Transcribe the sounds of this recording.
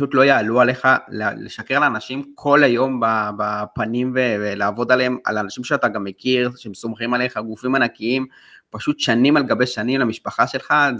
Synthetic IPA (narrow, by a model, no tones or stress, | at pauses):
ʃut̪lo̞jaːluale̞χalelḛʃakeʁalanaʃimkʰo̞lajo̞mbabapanimvevelaːvo̞d̪alema̰lanaʃimʃeataɡamːe̞kiʁʃeemso̞mχimaleχaɡufimanakiim | paʃutʃanimalɡabe̞ʃanimlamiʃpaχaʃe̞lχa